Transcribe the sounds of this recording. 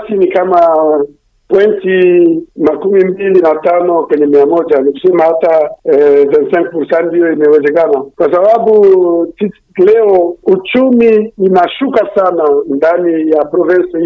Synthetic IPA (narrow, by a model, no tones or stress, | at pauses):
sinikama | pwɛntimakumimbilinatanɔkwɛɲɛmiamɔd͡ʒaniku̥sɛmahata | vɛ̃nsɛ̃ŋk̚puɾsandijɔimɛwɛzɛkanakwasababuti | lɛɔut͡ʃumiːnaʃukasanandanijapɾɔvɛ̃nsɔi